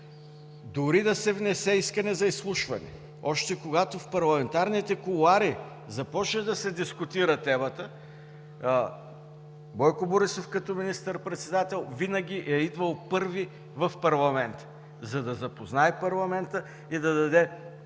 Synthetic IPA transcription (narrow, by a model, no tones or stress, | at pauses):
d̪ʊɾid̪ɐsɛvnɛsɛiskənɛzɐislˠuʃvɐnɛ̰ | ɔʃt̪ɛkoɡat̪ofpɐɾlˠɐmɛnt̪aɾnit̪ɛkʊlˠaɾi | zɐpɔt͡ʃnəd̪ɐsɛd̪iskʊt̪iɾət̪ɛmət̪ə | bɔjkʊboɾisofkɐt̪ɔminist̪əɾpɾɛt̪sɛd̪at̪ɛlˠvinəɡ̟ʲiʔɛid̪vəlˠpɤɾvi | vɐfpɐɾlˠɐmɛnt̪ | zɐd̪ɐzɐpoznaɛpɐɾlˠɐmɛnt̪ə | id̪ɐd̪ɐd̪ɛ